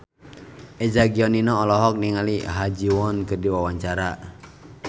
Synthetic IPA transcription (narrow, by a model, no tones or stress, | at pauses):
ʔɛd͡ʒaɡiɔninɔːlɔɦɔk̚niŋaliɦad͡ʒiwɔnkɨrdiwawaɲt͡ʃaɾa